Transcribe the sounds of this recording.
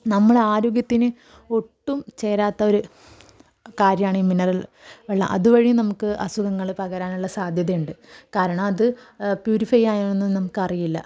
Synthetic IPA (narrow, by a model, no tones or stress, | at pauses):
nɐmːɐɭeaːɾoːɡjɐt̪ːinɨ | o̞ʈːumt͡ɕe̞ːɾaːt̪ːɐo̞ɾu | kaːɾjɐmaːɳiminɐrɐl | ʋeɭːɐ̰mʔɐ̰ðuʋɐɻinɐmukːɨʔɐsuɣɐŋːɐɭpɐɣɐɾaːnuɭːɐsaːd̪ʱjɐðɐjuɳɖɨkaːɾɐɳɐmɐðɨ | pjuːɾifɐjaːjonenːɨnɐmukːɨɐrijilːɐ̰